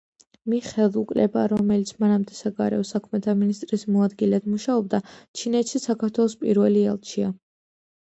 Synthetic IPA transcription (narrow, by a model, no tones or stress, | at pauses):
miχɛlˠukʼlɛbaɾɔmɛlit̪sʰmanamd̪ɛsaɡaɾɛ̰ɔsakʰmɛt̪ʰaminist̪ʼɾismɔad̪ɡilɛd̪muʃaɔbd̪at͡ʃʰinɛt̪ʃisakʰaɾt̪ʰwɛlˠɔspʼḭɾvɛliɛ̰lˠt͡ʃʰia